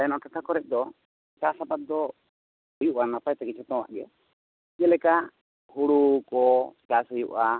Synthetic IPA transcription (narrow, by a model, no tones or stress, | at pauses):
ɛnɔʈakʰakɔɾɛt̪̚ˀd̪ɔ | kasapat̪̚d̪ɔ | əjuʔanapajt̪ɛkit͡ʃʰɔt̪ɔ̃wa̰ʔɡɛ | d͡ʒɛlɛka | huɽukɔkasɦəjṵʔa